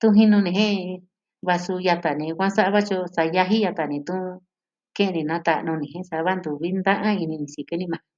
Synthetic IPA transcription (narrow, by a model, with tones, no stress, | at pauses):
t̪ũ˦ɦĩ˧nũ˧nĩ˧ɦẽ˦ | βa˧su˧ja˧t̪a˨nĩ˨˧kʷã˦sa˦ʔa˦βa˦t͡ʃo˧sa˧ja˧ɦi˦ja˧t̪a˨nĩ˧t̪ũ˦ | kẽ˦ʔnĩ˧nã˨˦t̪a˧ʔnũ˧nĩ˨ẽ˦sa˧βa˦nd̪u˨βi˦nd̪ã˦ʔã˦i˧nĩ˧nĩ˨si˧ke˧˦nĩ˧mã˧˨